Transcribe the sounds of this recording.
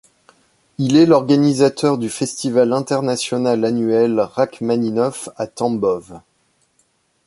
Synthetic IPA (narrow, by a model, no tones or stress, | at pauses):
ilɛlɔʁɡanizat̪œʁd̪yfɛst̪ivalɛ̃t̪ɛʁnasjɔnalanyɛlʁakmaninɔfat̪ɑ̃bɔv